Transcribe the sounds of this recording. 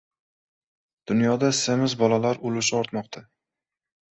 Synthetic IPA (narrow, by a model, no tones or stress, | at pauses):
d̪̥ʊnjɒd̪asemɪzbɒlalaɾʊlʊʃɪɒɾt̪mɒqt̪ʰa